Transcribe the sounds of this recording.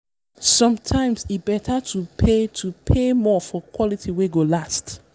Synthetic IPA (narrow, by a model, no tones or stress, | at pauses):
sʌ̃mtʰãɪ̃msibɛtʰatʰupʰetʰupʰemɔfɔkwɔlitʰiweɡolast